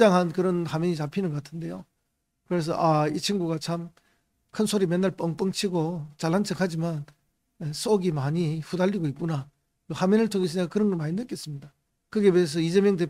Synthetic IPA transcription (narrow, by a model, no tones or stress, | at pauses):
d͡ʑaŋɦankɯɾʌnhamjeɲit͡ɕapʰinɯnɡʌk͈atʰɯnde̞jo̰ | kɯɾe̞s̬ʰʌ̰ʔait͡ɕʰiŋɡuɡat͡ɕʰam | kʰɯnsʰoɾimjenːaɭp͈ʌŋp͈ʌŋt͡ɕʰiɡot͡ɕaɭhant͡ɕʰɯkhad͡ʑiman | es͈oɡimaɲiɸudaʎːiɡoip̚k͈una | mohamjenɯɭtʰoŋɦes̬ʰɯɲik͈akɯɾʌnɡʌɭmaɲinːɯk͈e̞s͈ɯmɲida | kɯɡe̞mies̬ʰʌid͡ʑemjʌŋde̞